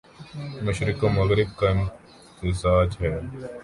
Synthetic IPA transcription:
məʃɾɪkoːmɐɣɾɪb̚kaɪn | t̪ɪzaːd͡ʒɦɛː

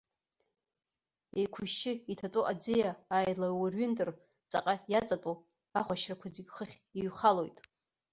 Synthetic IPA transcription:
ejkʷʰʊʃɪitʰatʼuʔad͡zɨjaːjlawarɥɪntʼɨr | t͡sʼaqʼajat͡sʼatʼu | aχʷaʃrakʷʰazikʲʼχəχʲ | iɥχalo̞jtʼ

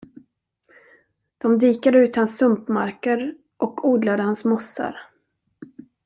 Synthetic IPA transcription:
d̪̥ɔmd̪iːkad̪əʉ̟ːt̪hansːɵmpmaɾkəɾ | ʔɔkʰuːd̪lad̪əhansmɔsːa̰ɾ

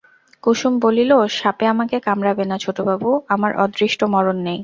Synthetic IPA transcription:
kuʃumboliloʃapeamakekamɾabenat͡ɕʰoʈobʱabuamaɾʔɔ̰d̪ɾiʃʈomɔɾonːej

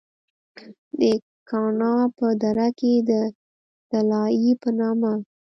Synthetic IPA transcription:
d̪ə | kɑnɑpəd̪aɾaked̪ə | t̪alɑjipənɑma

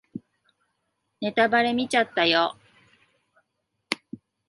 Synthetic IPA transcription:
ne̞t̪abaɾe̞mʲit͡ɕat̪ːajo

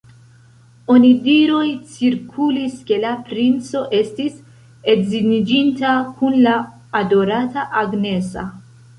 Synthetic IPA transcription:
o̞nidiɾojt͡siɾkʰuliske̞lapɾint͡so̞ʔe̞stis | edzinid͡ʒintakunlaː | do̞ɾataʔaɡne̞sa̰

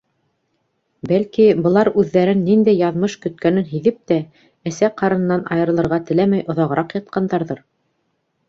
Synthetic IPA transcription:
bælkibɤ̆lˠɑɾʉðːæɾɘnːind̪æjːɑðmɤʃkɵ̆t̪̚kænɘnɦiðɘp̚t̪æ | æsæqʰɑɾɤ̆n̆nːɑnɑ̰jɤ̆ɾɤ̆lˠɤ̆ɾʁɑt̪ɘ̆læmæjʔŏðɑʁɤ̆ɾɑqjɑt̪̚qɑnd̪ɑɾðɤɾ

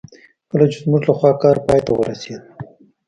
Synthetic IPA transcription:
pəlad͡ʒʊzmuɾlaxwɑkɑɾpɑjt̪awəɾased̪̚

